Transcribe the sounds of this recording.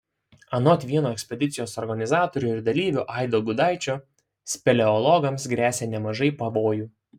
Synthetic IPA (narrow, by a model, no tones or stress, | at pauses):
ɐnɔt̪ʲʋʲiɛnoːɛksʲpʲɛd̪ʲɪt̪sʲɪjoːsɔɾɡɐnʲɪzɑːt̪oːɾʲuːɪɾd̪ɐlʲiːʋʲʊʔɑˑɪd̪oɡʊd̪ɑˑɪt͡ʃʲoː | sʲpʲɛlʲɛɔlˠɔɡɐmsɡɾʲæːsʲeːnʲɛmɐʒɐɪpɐʋoːjuː